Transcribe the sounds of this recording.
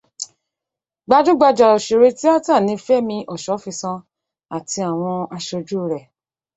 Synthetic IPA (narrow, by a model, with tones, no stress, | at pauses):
ɡ͡ba˧d͡ʒu˦ɡ͡ba˧d͡ʒa˨ɔ˨ʃe˨ɾe˧ti˦a˦ta˦˨nĩ˧fɛ˦mĩ˧ʔɔ˨ʃɔ˨˦fi˧sã˧ | a˨ti˧a˨w̃ɔ̃˧a˧ʃo˧d͡ʒu˦˨ɾɛ˨